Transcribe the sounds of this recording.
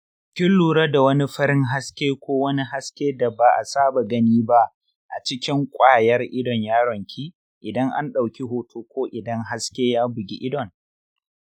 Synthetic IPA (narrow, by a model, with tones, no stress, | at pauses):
kʲɪ˦lːuː˨ɽa˦da˨wɐ˦ni˦ɸɐ˦ɾɪ˦ŋɦa˦skʲeː˦kʷoː˦wɐ˦ni˦ɦa˦skʲeː˦da˨baː˨ʔa˨saː˦ba˨ɡɐ˦niː˦ba˦ʔ | ʔa̰˨t͡ʃɪ˦kʲɪ˦ŋkʷʼaː˦jɐ˦rʔɪ˦dɔ˨ɲjaː˦ɽɔ˨ŋkʲʰi˦ | ʔɪ˨dɐ˦ŋʔa̰˦nɗa˨wkʲi˦ɦoː˦tʰoː˦kʷoː˦ʔɪ˨dɐ˦ŋɦa˦skʲeː˦jaː˦bɪ˨ɡʲḭ˦ʔɪ˦dɔ˨n